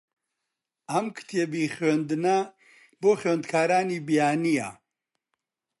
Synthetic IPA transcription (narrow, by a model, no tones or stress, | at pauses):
amkʰt̪ʰɛbiχønd̪na | boχønd̪kʰaːɾaːnibijaːnija̰